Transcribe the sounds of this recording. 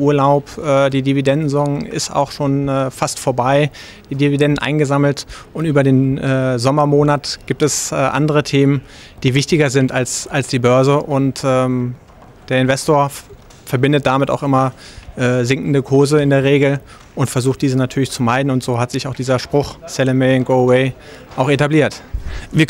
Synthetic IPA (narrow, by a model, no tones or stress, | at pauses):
ʔuːɐlaʊpɛːdiːdividɛndn̩zɔŋɪ̰sta̰ʊxʃoːnɛːfastfoːɐbaɪ | d̥iːdividɛndn̩ʔa̰ɪnɡəzaml̩tʔʊntʔyːbɐdeːnɛːzɔmɐmoːnatɡ̥iːp̚tɛsɛːʔa̰ndəʁ̞ətʰeːmən | d̥iːvɪçtɪɡɐzɪntalsalsd̥iːbœɐzəʔʊntɛːm | d̥eːɐɪnvɛstoːɐ | fɛɐbɪndət̚d̥amɪta̰ʊxʔɪmɐʔɛːzɪŋkn̩dəkʰʊɐzəɪndeːɐʁ̞eːɡl̩ | ʔʊntfɛɐzuːxt̚d̥iːzənatʰyːɐlɪçt͡sumaɪdn̩ʊntz̥oːɦatz̥ɪçaʊxd̥iːzɐʃpʁ̥ʊχsɛləmɛnɡoʊweɪ | ʔaʊxetabliːɐtviːɐ